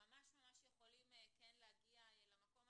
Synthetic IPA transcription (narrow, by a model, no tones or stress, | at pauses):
amaʃmamaʃjexolimɛkɛnlaɡiajɛlamakom